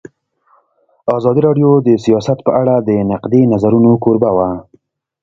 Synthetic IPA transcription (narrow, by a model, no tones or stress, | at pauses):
ɑzɑd̪iɾɑɖjod̪əsijɑsat̪pəʔaɽad̪ənaqd̪enazaɾunokoɾbawa